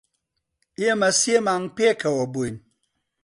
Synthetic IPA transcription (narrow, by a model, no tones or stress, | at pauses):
iemasjemaŋpiekɛwɔbon